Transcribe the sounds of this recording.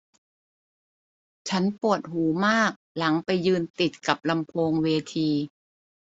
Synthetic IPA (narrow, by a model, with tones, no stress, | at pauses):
t͡ɕʰa˦˥npu˨˩ət̪̚ɦuː˩˦maː˥˩k̚la˩˦ŋpa˧jːɯː˧nt̪i˨˩t̪̚ka˨˩p̚la˧mpʰoː˧ŋweː˧t̪ʰiː˧